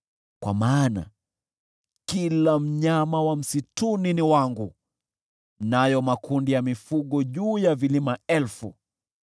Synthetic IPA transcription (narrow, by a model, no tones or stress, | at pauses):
kwa̰maːna̰ | kilam̩ɲamawam̩situniniwaŋɡu | najɔmakundijamifuɠɔʄuːjavilimaɛlfu